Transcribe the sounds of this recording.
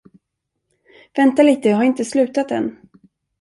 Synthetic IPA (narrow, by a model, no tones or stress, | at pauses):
vɛnt̪aliːt̪əɦaɾɪnt̪əslʉ̟ːt̪at̪ɛ̰n